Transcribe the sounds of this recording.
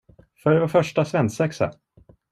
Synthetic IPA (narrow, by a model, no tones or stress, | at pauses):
fœɖɛvafœʂʈasvɛnsɛksə̰